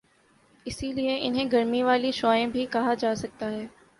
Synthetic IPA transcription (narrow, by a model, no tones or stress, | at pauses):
ɪsilieʔɪnɦẽɡɐɾmiʋaːliʃɔːẽbʱikɐɦad͡ʒaːsɐk̚t̪aɦɛː